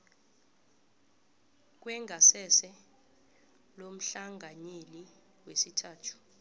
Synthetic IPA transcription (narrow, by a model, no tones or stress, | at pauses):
k̬wɛŋʱasɛsɛ | lom̩ɬaŋɡʱaɲeli | wesitʰaːtʰu̥